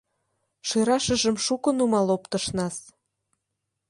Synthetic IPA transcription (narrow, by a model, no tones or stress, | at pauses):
ʃeɾɑʃə̆ʒə̆mʃukə̆numɑlopt̪əʃnɑs